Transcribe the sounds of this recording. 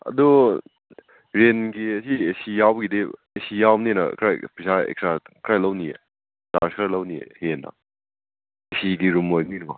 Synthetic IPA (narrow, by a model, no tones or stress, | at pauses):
ɐ̰du | ɾenɡiɐsiesijawbɡidi | esijawninɐ̰kʰɾajpisaḛk̚sɾakʰɾajlɐwniḛ | daɾsʰaɾlɐwniḛhenɐ̰ | esidiɾumojninma̰